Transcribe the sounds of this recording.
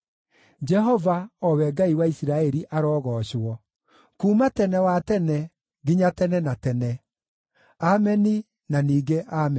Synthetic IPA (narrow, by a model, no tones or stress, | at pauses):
d͡ʒɛɦɔvaɔwɛɡaiwaisiɾaɛɾiʔaɾɔːɣɔɕwɔ | kuːmatɛnɛwatɛnɛ | ɡiɲatɛnɛnatɛnɛ | amɛni | naniːɡeʔamɛ